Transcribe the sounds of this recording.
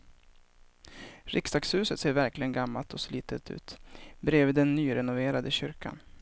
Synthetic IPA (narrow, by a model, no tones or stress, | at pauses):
ɾʔɪksd̪ɑːkshʉ̟ːsət̪seːɾvæɾklɪɡənɡamːalt̪ʰɔsliːt̪ət̪ʰʉ̰ːt̪bɾeːvid̪ɛnːyːɾɛnʊveːɾad̪əɕʏɾka̰n